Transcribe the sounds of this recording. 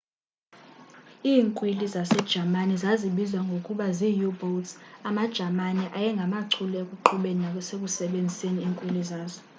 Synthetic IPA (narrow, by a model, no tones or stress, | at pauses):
iːŋkʼwilizasɛd̥ʒ̥ʱamanizaziɓizaŋɡʱokʼuɓaziːjuboltsamad̥ʒ̥ʱamaniʔajɛŋɡʱamaǀʰulekʼuǃʰuɓeninakɔsek̬ʼusɛɓend͡zʱiseniːŋkʼwilizaːzɔ